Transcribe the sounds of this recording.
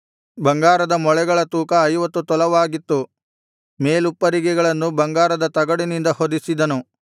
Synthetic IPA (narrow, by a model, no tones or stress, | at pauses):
bɐŋɡaːɾɐd̪ɐmɔɭɛɡɐɭɐt̪uːkɐːjʋɐt̪ːut̪ɔlɐʋaːɡit̪ːu | meːlupːɐɾiɡɛɡɐɭɐnːubɐŋɡaːɾɐd̪ɐt̪ɐɡɐɽinind̪ɐhod̪isid̪ɐnu